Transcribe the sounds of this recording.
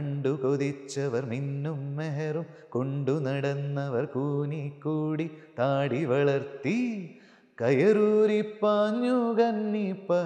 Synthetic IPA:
ɐɳɖukod̪it͡ʃːɐʋɐɾminːumːɛɦɐɾumkoɳɖunɐɽɐnːɐʋɐɾkuːnikːuːɽit̪aːɽiʋɐɭɐɾt̪i | kɐjɐɾuːɾipːaːɲjuːɡɐnːipːɐ

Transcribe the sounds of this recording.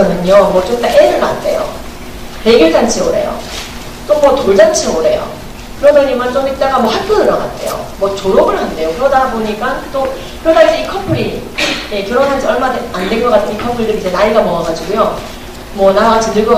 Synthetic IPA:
ʌdɯɲʌmwʌt͡ɕomtaʔeɾɯɭmant͈ʰe̞̰jo̰ | teɡiɭd͡ʑant͡ɕʰioɾe̞̰jo̰ | t͈omwʌtoɭd͡ʑant͡ɕʰioɾe̞jo̰ | kɯɾʌdʌɲimant͡ɕomit͈aɡamwʌhak̚p͈onɯɾʌɡa̰tt͈ʰe̞̰jo̰mwʌt͡ɕoɾoɡɯɭhande̞jokɯɾʌdadaboɲik͈at͈o | kɾodaɡikʰʌpʰɯɾije̞kjʌɾʌnand͡ʑʰiʌɭmadandeŋɡʌkatʰɯnikʰʌpʰɯɾidɯɾid͡ʑe̞naiɡamʌŋaɡad͡ʑiɡujo | mwʌnaɾɡat͡ɕʰindɯɭɡʌ

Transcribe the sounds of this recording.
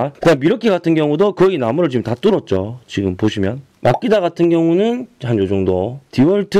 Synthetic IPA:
kɯɲamiɾʌkʰeɡatʰɯnɡjʌŋudokʌɡinamuɾɯɭt͡ɕimtat͈ɯɾʌt̚t͡ɕ͈ot͡ɕiɡɯmpoɕʰimjʌn | mak͈idaɣatʰɯnɡjʌŋunɯnhand͡ʑod͡ʑoŋdotiwʌɭtʰɯ

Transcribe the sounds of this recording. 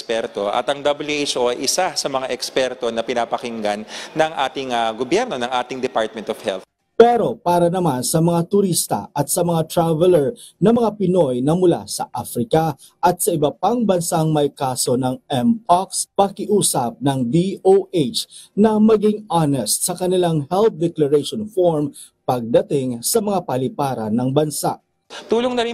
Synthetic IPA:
spɛɾt̪o̞ʔɐ̰t̪ɐŋd̪ɐbɐljuet͡ʃʔoɐjʔɪsasɐmɐŋaʔɛkspɛɾt̪o̞nɐpɪnaːpɐkɪŋɡanːɐŋʔaːt̪ɪŋaɡobjɛɾno̞nɐŋʔaːt̪ɪŋd̪ɛpaɹt̪̚mɛnt̪ofhɛ̰l | pɛɾo̞paːɾɐnɐmansɐmɐŋat̪ʊɾist̪ɐ̰ʔɐt̪̚sɐmɐŋat̪ɾavɛlɛɹ | nɐmɐŋapɪno̞jnɐmʊla̰sɐ̰ʔafɾɪkɐ | ʔɐt̪̚sɐɪbɐpaŋbɐnsaŋmɐjkaːso̞nɐŋɛmpakspɐkɪʔuːsɐp̚nɐŋd̪ioʔet͡ʃnɐmɐɡɪŋanɛst̪̚sɐkɐnɪlaŋhɛlt̪̚d̪ɛklɐɹɛjʃonfoɹm | pɐɡ̚d̪ɐt̪ɪŋsɐmɐŋapɐlɪpaːɾɐ̰nɐŋbɐnsaʔ | t̪uːloŋnɐɾi

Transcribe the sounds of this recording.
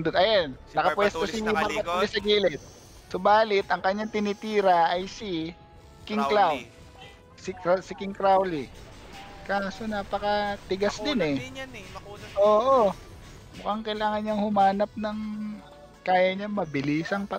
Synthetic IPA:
d̪od̪ɐjonnɐkɐpwɛst̪osɪpɐɾkɐt̪̚b̪ɪsɐɡiːlɛt̪̚ | sobaːlɪt̪ɐŋkɐɲːaŋt̪ɪnɪt̪iːɾɐʔɐjsɪ | kɪŋklaw | sɪksɪkɪŋkɾawlɪ | kaːsonɐpɐkɐt̪ɪɡasd̪ɪnɛ | ʔoːʔo | mʊkaŋkɐjlaːŋɐnɲɐŋhʊmaːnɐp̚nɐŋ | kaːjɐɲɐŋmɐbɪliːsɐŋpɐ

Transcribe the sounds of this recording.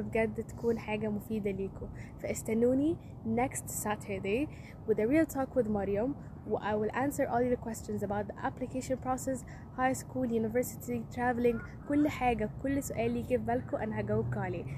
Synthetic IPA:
bɡæd̪ːt̪æ̥kuːnħaːɡæmʊfiːd̪aliːkʰʊfæʔɪst̪ænuːni | nɛkst̪sæt̪ʰə˞d̪eː | wɪðəɾiːlt̪ʰɔːkwɪðmɑɾjam | wɪʔajwɪlʔæ̃ːnsəɾʔɔːləkwɛst͡ʃənzæbawt̪̚d̪iʔæ̰plɪkeːʃɔnpɾɔsɛs | hajskuːljuːnɪvɛɹsɪ̥t̪ʰit̪ɾævlɪ̃ŋɡ | kʊlːħaːɡækʊlːsʊʔɛːlːiːɡɪbːælkʊʔænːɦæɡæwɪb̚kaʕleː

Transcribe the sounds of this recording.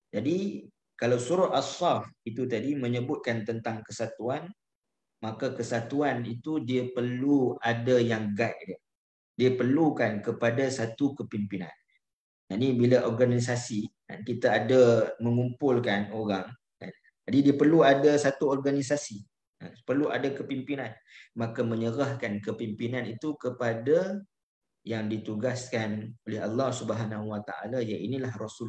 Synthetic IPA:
d͡ʒadi | kalawsuɾaasɑfit̪ut̪adimə̃ɲəbʊt̪̚kant̪ənt̪aŋkəsat̪uan | makakəsat̪uanit̪udiəpərluadajaŋɡaʔ̚də | diəpərlukankəpadasat̪ukəpimpina̰n | d͡ʒanibiləʔɔrɡanis̬asika̰nkit̪aːdaməŋumpʊlkanoɾaŋ | ka̰n | d͡ʒadidiəpərluadasat̪uɔrɡanisasi | a̰pərlua̰dakəpimpinan | makamə̃ɲəɾahkankəpimpinanit̪ukəpada | jaŋdit̪uɡaskanolɛɦalːɑhsubəɦanaɦuwat̪a̰ʔa̰lajainilahrɔsʊl

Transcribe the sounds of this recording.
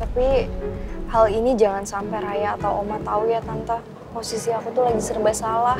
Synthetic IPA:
t̪api | halinid͡ʒaŋansampaɾajaːt̪awʔomat̪aujat̪ant̪a | posisiakut̪ulaɡisərbasalah

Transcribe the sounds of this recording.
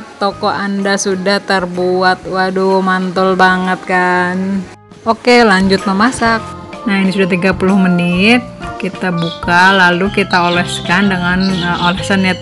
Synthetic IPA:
t̪okɔʔandasudaht̪ərbuat̪̚wadumant̪ɔlbaŋət̪̚kan | okelaɲd͡ʒʊt̪̚məmasak̚nainisudaht̪iɡapulʊhməniɪt̪̚kit̪abukalalukit̪aolɛskandəŋanolɛsanja

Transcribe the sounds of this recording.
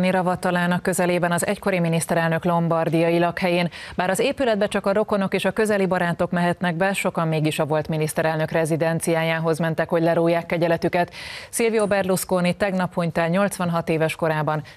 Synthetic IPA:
niɾɒvɒt̪ːɒlaːnɒkːø̞zɛleːbɛnɒzɛ̰cko̞ɾiminist̪ɛɾɛlnø̞klo̞mbɒrd̪ijɒjilɒkhɛjeːnbaːɾɒzeːpylɛd̪̚bɛt͡ʃɒkɒɾo̞ko̞no̞keːʃɒkø̞zɛlibɒɾaːt̪o̞kmɛɦɛt̪nɛɡ̚bɛʃo̞kɒmːeːɡiʃɒvo̞lt̪minist̪ɛɾɛlnøkrɛzid̪ɛnt̪sijaːjaːɦo̞zmɛnt̪ɛkho̞ɟlɛɾoːjːaːkːɛɟɛlɛt̪ykɛt̪silviobɛrluskoːnit̪ɛɡnɒphuɲt̪ɛlɲo̞lt̪sʋɒnɦɒt̪eːvɛʃko̞ɾaːbɒn

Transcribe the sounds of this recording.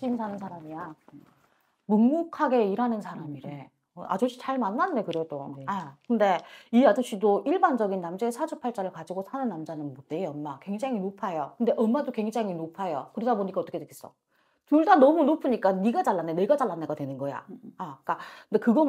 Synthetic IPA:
t͡ɕimsʰanɯnsʰaɾamia | muŋmukʰaɡe̞iɾanɯnsʰaɾamiɾe̞ | a̰t͡ɕoɕ͈i̥t͡ɕaɭmanːanːekɯɾe̞doakɯnde̞iad͡ʑoɕ͈idoiɭband͡ʑʌɡinːamd͡ʑaesʰad͡ʑʰupʰaɭt͡ɕ͈aɾɯɭkad͡ʑiɡosʰanɯnːamd͡ʑanɯnmot͈eiʌnmakwe̞ŋd͡ʑaŋinopʰajokɯnde̞ʔʌmːadokwe̞ŋd͡ʑaŋinopʰajokɯɾedaboɲik͈aʌt͈ʌkʰe̞dʰɯkʰe̥s͈ʌ | tuɭdanʌmunopʰɯɲik͈aniɡat͡ɕaɭːanːene̞ɡat͡ɕaɭːanːeɡatdwe̞nɯnɡʌja̰ak͈aɯndekɯɡʌ

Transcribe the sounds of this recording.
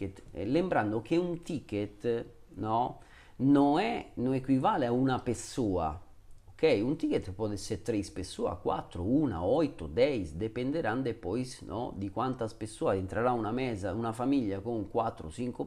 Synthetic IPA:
et̪lembɾand̪okeunt̪iket̪nɔ | noɛnoɛkːwivaːleaunapesːuːa̰ | okɛjunt̪iket̪pɔd̪ɛseɾt̪ːɾeispesːuːa̰kwa̰t̪ːɾouna̰ɔjt̪od̪ɛjsd̪epend̪eɾand̪epɔjsnɔ̰d̪ikwant̪aspesːuːasent̪ɾaɾaunamɛːzaunafamiʎːakoŋkwat̪ːɾo̰t͡ʃiŋko

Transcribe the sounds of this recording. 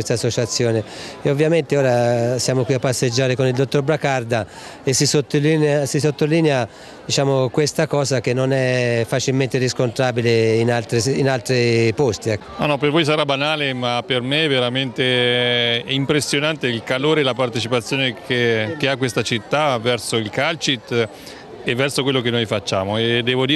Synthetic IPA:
west̪aːsːot͡ʃat̪sːjɔːneovːjament̪eɔːɾasjaːmokwiapːasːed͡ʒːaːɾekonild̪ot̪ːorbɾakard̪a | esːisot̪ːolinsisot̪ːoliːnea | d̪it͡ʃaːmokwest̪akɔːzak̟enːonɛfːat͡ʃilment̪ɪɾiskont̪ɾaːbileinalt̪ɾeinalt̪ɾipost̪iɛnɔnːɔpervojs̬aɾabanaːlemapermeveɾament̪e | ɛimpɾesːjonant̪eilkaloːɾelapart̪et͡ʃipat̪sːjoːnekʰek̟eakːwest̪at͡ʃit̪ːavɛrsoilkalt͡ʃit̪ | evːɛrsokwelːokenːoːjfat͡ʃːaːmoed̪ːɛːvod̪iː

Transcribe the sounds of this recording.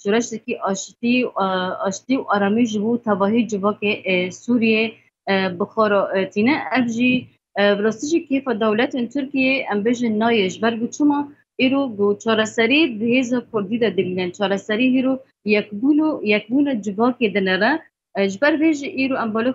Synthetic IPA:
ʃuɾɛʃd̪ɛkiʔɑːʃt̪i | ɑːʃt̪iwʔɑːɾɑmiʒɨbot̪ʰɛbɑːɦid͡ʒɨvɑːkesuɾije | bɨxɑːɾɑt̪ʰiːnɛʔɛvʒi | brɑːst̪iʒikʰeːfɑːd̪ɛwlɛt̪ent̪ʰʊɾkijeʔɛmbeːʒɪnːɑːjɛʒɨbɛɾɡot͡ʃʰɨmɑ | iːɾoɡot͡ʃʰɑːɾɛsɛɾid̪ɨheːzɑkʰʊɾd̪id̪ɛd̪ɨbiːnɛnt͡ʃʰɑːɾɛsɛɾiiːɾo | jɛkbujɛk̚buːnɑːd͡ʒɨvɑːked̪ɨnɛrɛ | ʒbɛɾveːʒiʔiːɾoʔɛmbɑːle

